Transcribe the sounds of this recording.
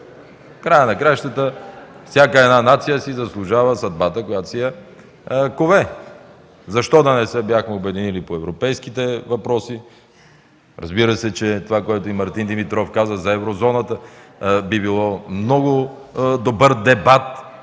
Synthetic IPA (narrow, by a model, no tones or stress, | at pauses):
fkɾajənɐkɾaʃt̪ət̪əfsʲjakəɛd̪nanat̪sijəsizɐslˠʊʒavəsɐd̪̚bat̪əkojat̪sijɛ | kovɛ | zɐʃt̪ɔd̪ɐnɛsɛbjaxmɛʊbɛd̪inilipoɛvɾopɛjskit̪ɛvɐpɾɔsi | ɾɐ̰zbiɾəsɛt͡ʃɛt̪ovakoɛt̪ʊimɐɾt̪ind̪imit̪ɾɔfkazəzɐɛvɾozɔnət̪əbibilˠɔmnɔɡʊ | d̪obɤɾd̪ɛbat̪̚